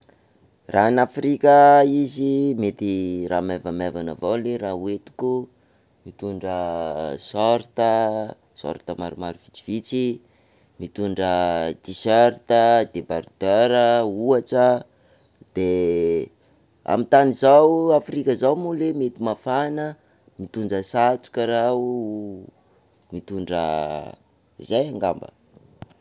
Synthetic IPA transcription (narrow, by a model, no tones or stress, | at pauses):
ranafrikʲəizimet̪iramevamavana̰vawleɾauet̪u̥ku | mit̪uɳɖ͡ʐəsɔɾt̪ə | sɔ̰ɾt̪əma̰ɾumaɾuvit͡si̥v̥it͡si | mit̪uɳɖ͡ʐət̪isøɾt̪əd̪ebaɾd̪̥øɾəuaʈ͡ʂə | d̪̥e | a̰mit̪anizawafrikʲəzawmulemet̪imafanə | mit̪uɳɖ͡ʐəsat͡su̥kʲəɾau | mit̪uɳɖ͡ʐə̰ | ḭzajaŋɡambə̰